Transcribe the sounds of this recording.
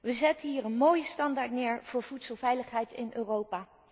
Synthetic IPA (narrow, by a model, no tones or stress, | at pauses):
ʋəzɛtəɦiːrənmoːjəstɑndaːɹtnɪːɹv̥ʊːɹv̥utsəlˠvɛjləχɦɛjtɪnʔøːrowpaː